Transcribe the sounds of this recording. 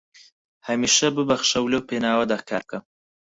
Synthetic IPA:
hɐmiːʃɐbɨbɐxʃɐwlewpeːnaːwɐd̪aːkʰa̰ːɾb̚kʰɐm

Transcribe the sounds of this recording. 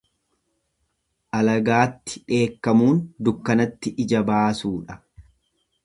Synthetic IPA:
ʔɐlɐɡaːt̪ːɪ̥ᶑe̞ːkːɐmuːnd̪ʊkːɐnɐt̪ːɪʔɪd͡ʒɐbaːsuːᶑɐ̥

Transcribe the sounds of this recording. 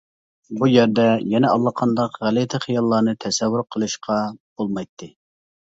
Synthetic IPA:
bujæɾd̪ɛjɛnɛɑlˠːɑqʰɑnd̪ɑqʁælɪt̪ʰɪχijɑlˠːɑnɨt̪ʰɛsɛvːʊɾqʰəlˠɨʃqʰɑb̥olˠmɑjt̪ʰːɨ

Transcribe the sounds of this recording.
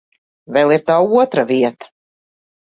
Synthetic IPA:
vɛlˠiɾt̪aːuɔt̪ɾaviɛt̪ḁ

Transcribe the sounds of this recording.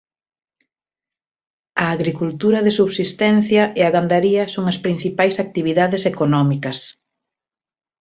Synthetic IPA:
ɐːɣɾikult̪uɾɐðɪsuβsist̪ɛn̟θjɐʔeaɣand̪aɾiɐsoŋɐspɾin̟θipajsak̚t̪iβiðaðɪsekonɔmikɐs

